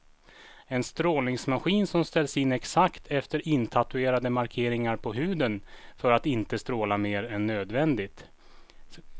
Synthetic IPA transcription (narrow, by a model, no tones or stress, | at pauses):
ɛnst̪ɾoːlnɪŋsmaɧiːnsɔmst̪ɛlsɪnːɛksakt̪ʰɛft̪əɾʔɪnt̪ʰat̪ɵeːɾad̪əmaɾkʰeːɾɪŋaɾpʰɔɦʉ̟ːd̪ənfœɾat̪ɪnt̪əst̪ɾoːlameːɾɛnːøːd̪vɛnd̪ɪt̪